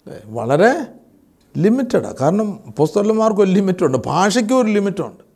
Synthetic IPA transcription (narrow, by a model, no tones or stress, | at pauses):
ḛʋɐ̰ɭɐɾe̞ | limitːɐɽɐ̰kaːɾɐɳɐmpost̪ɐɾɐlmaːrkoɾulimitːuɳɖɨbʱaːʂɐk̬ʲːoɾulimitːṵɳɖɨ